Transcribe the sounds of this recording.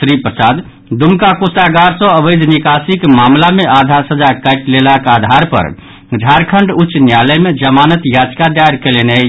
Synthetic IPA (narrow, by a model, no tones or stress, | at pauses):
sɾipɾəsad̪ | d̪umkakusaɡaɾsɔ̃əbəjd̪ʱnikasikmamlameʔad̪ʱaɾsəd͡ʒakaɪʈlelakad̪ʱaɾpə̰ɾ | d͡ʒʱaɾkʰəɳɖut͡ʃnjaləjmed͡ʒəmanət̪jad͡ʒkad̪aɾkelene